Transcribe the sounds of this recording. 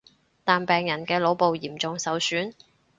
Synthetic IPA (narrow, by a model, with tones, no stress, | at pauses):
t̪aː˨npɛː˨ŋjɐ˨˩nkɛː˧lo˨˧˥wpo˨˧wjiː˨˩mt͡sʊ˨ŋsɐ˨˧wsyː˨˥n